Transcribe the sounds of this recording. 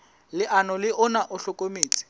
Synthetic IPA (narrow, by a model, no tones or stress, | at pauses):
lɪʔanɔlɪʔʊnaʔʊɬɔkʼomeːt͡sʼi̥